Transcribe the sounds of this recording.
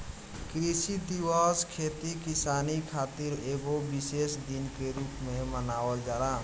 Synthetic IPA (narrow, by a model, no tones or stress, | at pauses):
kɾisid̪iwaskʰet̪ikisanikʰat̪iɾeɡobisesd̪inkeɾupmẽmənaːwəld͡ʒaɾa